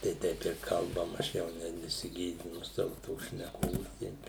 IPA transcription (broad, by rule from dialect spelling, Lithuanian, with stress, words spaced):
tɐɪ ˈtʲɛɪp ɪr kɐlˠˈbɐm ɐʃ ˈjɛʊ nʲɛ nʲɛsʲɪˈɡʲeːdʲɪnʊ ˈsɑːʋʊ ˈtoːs ʃʲnʲɛˈkoːs ˈtʲɛɪp